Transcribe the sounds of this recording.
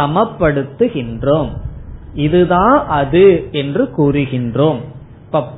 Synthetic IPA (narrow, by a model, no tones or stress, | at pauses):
ɐmɐpːɐɽɯt̪ːɯɣɪndroːm | ɪðɯðãːnʔɐðɯɛndrɯkuːrɯɣɪndroːm | pɐpː